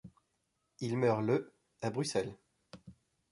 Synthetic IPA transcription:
ilmœʁlə | abʁysɛl

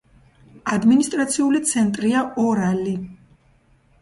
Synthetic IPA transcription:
ad̪minist̪ʼɾat̪sʰiulit̪sʰɛnt̪ʼɾiaɔɾali

